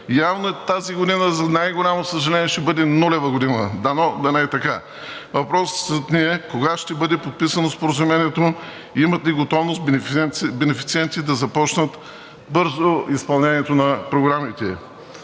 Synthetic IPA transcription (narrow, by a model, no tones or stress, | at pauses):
javnoɛt̪aziɡod̪inəzɐnajɡolʲamosəʒɐlʲɛniɛʃt̪ɛbɤd̪ɛnulɛvəɡod̪inəd̪ɐnɔd̪ɐnɛt̪ɐka | vɐpɾɔszɐt̪nʲiɛkoɡaʃt̪ɛbɤd̪ɛpot̪̚pisɐnospoɾəzumɛniɛt̪o | imɐt̪liɡot̪ɔvnost̪bɛnɛfi̥t̪siɛnt̪id̪ɐzɐpɔt͡ʃnət̪ | bɤɾzoispɐlˠnʲɛniɛt̪onɐpɾoɡɾamit̪ɛ